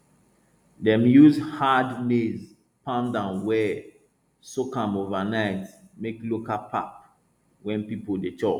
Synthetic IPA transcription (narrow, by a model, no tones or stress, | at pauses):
dɛ̃mjuzhadnez | pãmdãnwɛ | sokãmovanaɪtmeklokapʰa̰p̚ | wɛ̃npipodetʰɔ